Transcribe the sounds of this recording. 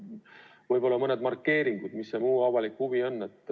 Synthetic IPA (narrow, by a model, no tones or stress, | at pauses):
vɤjbo̞lːɑmɤne̞d̪mɑrkːe̞ːɾiŋɡ̥ud̪̥misːemuːɑvɑlikːhuvio̞nːe̞t̪ː